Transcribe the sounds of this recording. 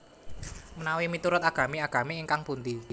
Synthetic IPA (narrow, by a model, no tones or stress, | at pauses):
mənawimit̪uɾʊt̪aɡ̥ä̤meaɡ̥ä̤meːŋkaŋpund̪i